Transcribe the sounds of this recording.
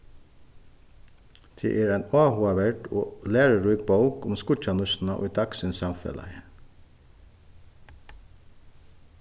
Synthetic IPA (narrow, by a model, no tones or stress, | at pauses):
d̪̥ʰḛːʔeːɹæɪnɑːhʊɑʋæɖo̰ːlæːɹəɹuʏk̚bɑʊkʊmskʊt͡ʃɑnʉʃn̩ɑʔo̰ːd̪ɑksɪnsɑmfɛ̰lɑ̰ə